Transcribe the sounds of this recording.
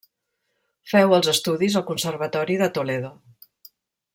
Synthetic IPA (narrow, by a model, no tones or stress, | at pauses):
fɛwəlˠzəst̪uðizəlˠkunsərβ̞ət̪ɔɾiðət̪uleðo